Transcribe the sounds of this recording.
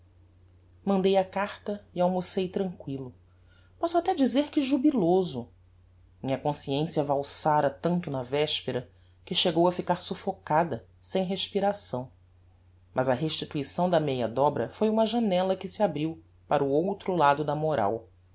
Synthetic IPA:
mɐ̃nd̪ejɐkaɾt̪ɐiawmusejt̪ɾɐ̃ŋkwilʊ | pɔsʊat̪ɛd͡ʒizeɾkɪʒubilozʊ | mĩɲɐkõsiẽsiɐvawsaɾɐt̪ɐ̃nt̪ʊnɐvɛʃpeɾɐ | kɪʃeɡowɐfikaɾsufokad̪ɐ | sẽj̃ɦeʃpiɾasɐ̃w̃ | mʔɐzɐɦeʃt͡ʃit̪uisɐ̃w̃d̪ɐmejɐd̪ɔbɾɐ̰fojũmɐʒanɛlɐkɪsɪabɾiw | paɾʊowt̪ɾʊlad̪ʊd̪ɐmoɾa̰w

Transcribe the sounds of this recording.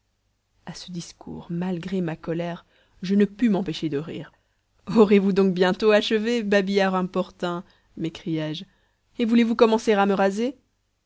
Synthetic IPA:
asəd̪iskʰṵʁmalɡʁemakɔlɛʁ | ʒənəpymɑ̃peʃed̪əʁḭːʁ | ɔʁjevud̪ɔ̃k̚bjɛ̃t̪oaʃəvebabijaʁɛ̃pɔʁt̪ɛ̃ | mekχijɛʒ | evulevukɔmɑ̃seʁaməʁaze

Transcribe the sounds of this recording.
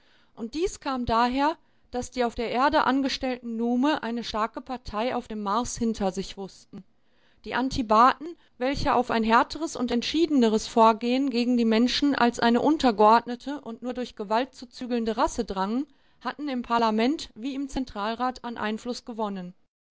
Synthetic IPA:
ʔʊnt̚d̥iːskʰaːmdaːɦeːɐ | d̥asd̥iːaʊfd̥eːɐʔeːɐdəʔa̰nɡəʃtɛltn̩nuːməʔaɪnəʃtaɐkəpʰaɐtʰaɪa̰ʊfd̥eːmːaɐshɪntʰɐzɪçv̥ʊstn̩ | d̥iːʔantʰibaːtn̩ | vɛlçəʔa̰ʊfa̰ɪnɦɛɐtʰəʁəsʊ̰ntɛntʃiːdənəʁ̞əsfoːɐɡeːənɡeːɡŋ̩diːmɛnʃn̩ʔa̰lsʔa̰ɪnəʔʊntɐɡəʔɔɐdnətʰəʔʊntnuːɐdʊɐçɡ̥əvalt̚t͡sut͡syːɡl̩ndəʁasədʁaŋən | hatn̩ɪmpʰaɐlamɛntv̥iːɪmt͡sɛntʁ̥aːlʁaːtanʔa̰ɪnflʊsɡ̥əvɔnən

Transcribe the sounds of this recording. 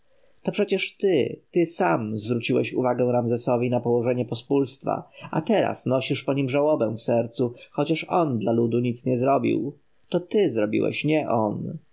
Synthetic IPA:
t̪ɔpʂɛt͡ɕɛʂt̪ɘt̪ɘsamzvɾut͡ɕiwɛ̰ɕuvaɡɛ̃w̃ɾamzɛsɔvʲinapɔwɔʐɛɲɛpɔspulst̪fa̰ʔa̰t̪ɛɾa̰snɔɕiʂpɔɲimʐawɔbɛw̃fsɛɾt̪suxɔt͡ɕaʂɔnd̪lalud̪uɲit̪sɲɛzɾɔbʲḭw | t̪ɔt̪ɘzɾɔbʲḭwɛ̰ɕɲɛʔɔn

